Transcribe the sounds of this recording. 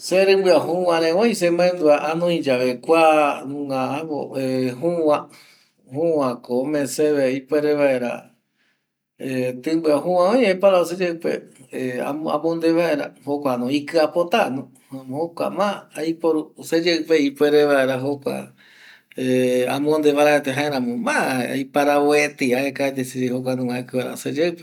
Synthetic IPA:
seɾɨ̃mbɨaɦũwãɾẽwõj̃s̬emãẽnd̪uaʔanõĩd͡ʒaβekʷanũŋɡaaβo̰eɦũwã | hũãkomẽseβeipweɾeβaeɾa̰ | et̪ɨ̃bɨaɦũãõj̃epaɾas̬ed͡ʒeɨpḛea̰a̰mõnd̪eβaeɾahokʷanõikɨapot̪anõ | ham̃hokʷa̰maajpoɾused͡ʒeɨpeipweɾeʋaeɾaɦokʷa̰ | ea̰mõnd̪eβaɾaet̪eɦãẽɾãmõmaa̰jpaɾaoet̪iaekaed̪esiɾiɦok̬ʷanũaikɨaɾa̰sed͡ʒepe

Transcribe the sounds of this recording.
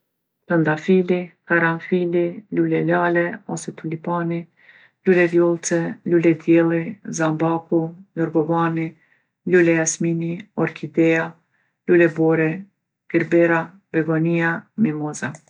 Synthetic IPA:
t̪ənd̪afilikaɾanfililulɛlalɛɔsɛt̪ulipani | lulɛvjɔlˠt͡sɛlulɛd̪jɛlˠizambakujɔɾɡɔvani | lulɛjasminiɔɾkʰid̪ɛa | lulɛbɔɾɛ | ɡ̥iɾbɛɾa | bɛɡɔniamimɔza

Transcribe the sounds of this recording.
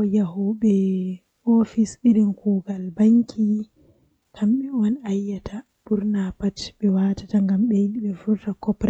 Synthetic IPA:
ɔjaɦɔɓɛ | ofisiɾinkuːɡalbaŋkʰi | kʰamɓɛɔnajːatʰa | b̥uɾnapatɓɛwaːtataŋɡamɓɛjiɗiɓɛfuɾtakɔpɾɛ

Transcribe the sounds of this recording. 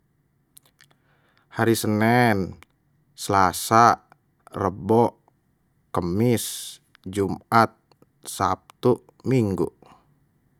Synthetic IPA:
haɾisənɛn | səlasa | rəbɔ | kəmis | d͡ʒumat̪̚ | sap̚t̪u | miŋɡṵ

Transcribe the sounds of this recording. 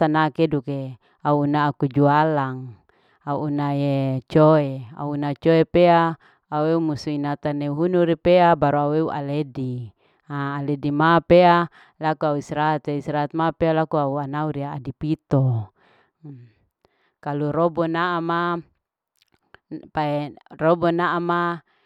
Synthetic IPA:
sanakeduke | auːnaːkud͡ʒualaŋ | auʔːnajet͡ʃoea̰uunat͡ʃoepea | aueumusuinat̪aneuɦunuɾipeabaɾuaueuʔa̰ledi | aːledimapea | lakuauisɾaat̪eisɾaat̪̚mapealakuauanauɾiaːdipit̪ɔ | kaluɾɔbɔnaʔama | paerɔbɔnaʔama

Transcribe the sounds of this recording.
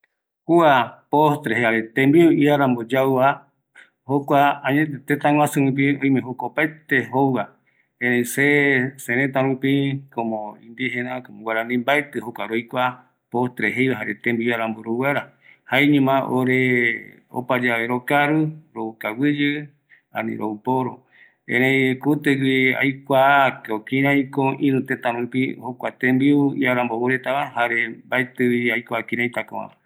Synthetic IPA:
huapost̪ɾeɦeaɾet̪ẽmbiʔiaɾambod͡ʒawβa | hokʷaaɲẽt̪et̪et̪ãŋʷw̃ãsɨ̃ɾũp̬iõj̃mẽɦokʷapaet̪eɦowa | ẽɾẽĩsesẽɾ̃ẽt̪̬ãɾũpĩkomõḭ̃nd̪ihẽnãkomõwʷeɾanĩmbaet̪ɨhokʷaɾojkʷa | post̪ɾeɦejβaɦaɾḛt̪ẽmbiaɾamboɾowaɾa | haeɲĩmãʔoɾe | o̰pad͡ʒaβeɾokaɾuɾoukawɨd͡ʒɨ | ã̰nḭ̃ɾʔoupoɾo | ẽɾẽjkut̪eɡia̰jkʷakokĩɾãj̃koʔĩnũt̪ẽt̪ãɾũpihokʷat̪ẽmbiuiaɾãmboɾuɾet̪aβãhaɾembaet̪ɨwiajkʷaːkĩɾ̃ãj̃t̪akõβã̰ma

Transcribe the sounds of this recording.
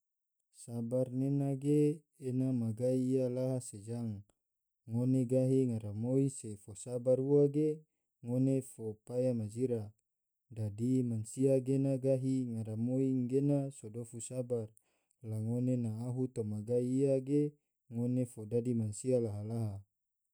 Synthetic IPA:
sabarnenaɡeː | namaɡaiːjalaɦased͡ʒaŋː | oneɡaɦiŋaɾamoisefosabaruaɡe | ŋonefopajamad͡ʒiɾa | dadimansiaɡenaɡaɦiŋaɾamoiŋɡenasodofusabar | laŋonenaːɦut̪omaɡaiːaɡe | ŋonefodadimansialaɦalaɦa

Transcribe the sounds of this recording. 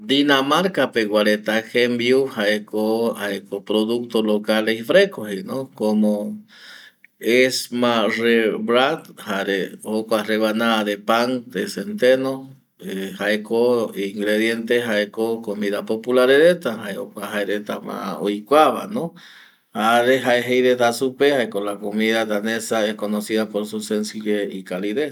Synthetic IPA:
d̪inamaɾkapeɣwaɾet̪akʰembjuhaekohaekopɾoðuk̚t̪olokaleifɾekohinokomo | esmareβɾat̪haɾehokoareβanaːd̪epaŋd̪esent̪eno | ehaekoiŋɡɾeðjent̪eɦaekokomiðapopulaɾeɾet̪aɦaeo̰kʷaɦaeɾet̪ama̰oikwaβa̰no | haɾeɦaeɦejɾet̪asupehaekolakomiðad̪anesaehkonosiðapoɾsusensiβeikaliðes

